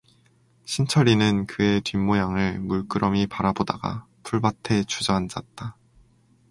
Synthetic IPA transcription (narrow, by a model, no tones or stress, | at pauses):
ɕʰint͡ɕʰʌɾinɯnkɯe̞tɥimːojaŋɯɭmuɭk͈ɯɾʔʌmipaɾaboda̰ɡa̰ | pʰuɭbatʰe̞t͡ɕʰud͡ʑʌɦand͡ʑa̰t̚t͈a